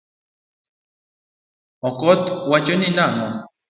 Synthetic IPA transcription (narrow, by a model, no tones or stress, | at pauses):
ɔkɔt̪wat͡ʃoninanɔ